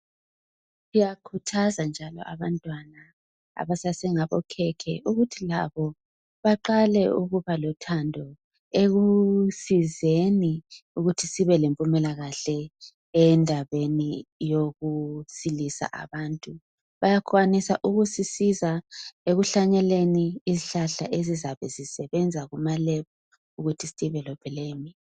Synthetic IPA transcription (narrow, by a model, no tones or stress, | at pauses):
sijakʰutʰazand͡ʒʱalɔ̰ʔa̰βantʼwana | a̰βasasɛŋaβɔkʰɛkʰɛʔuɣutʰilaβɔ | βaǃalɛʔuɣuβalɔtʰandʱɔ | eɣusizeniuɣutʰisiβɛlempʼumɛlaɣaɬɛ | ɛndʱaβenijoɣusilisa̰ʔa̰βaːntʼu | βajakʰwanisa̰ʔuɣusisizaeɣuɬaɲɛleniːziɬaɬa̰ʔezizaβɛzisɛβɛnd͡zʱaɣumalɛβɔ | uɣutʰistiβɛlɔb̥ʰʱɛleːmi